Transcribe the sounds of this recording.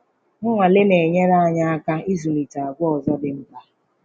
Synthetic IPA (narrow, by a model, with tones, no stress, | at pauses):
ŋʊ˦ŋʷa˨lɪ˦ne˨ɲe˦ɾa˦a˦˨ɲa˦a˦ka˦i˦zu˨ni˨ta˨a˨ɡʷɔ˨zɔ˦dɪ˨m̩˦ba˦